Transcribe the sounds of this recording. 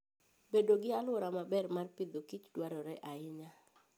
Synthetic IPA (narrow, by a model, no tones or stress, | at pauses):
bedoɡɪalwɔɾamabɛrmarpɪd̪okit͡ʃdwaɾɔɾɛʔaɪɲa